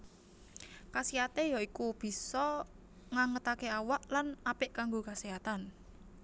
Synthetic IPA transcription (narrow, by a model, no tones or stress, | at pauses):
kasiat̪ejaikub̥i̤sɔ | ŋaŋət̪akeawaʔlanapɪʔkaŋɡokasiat̪an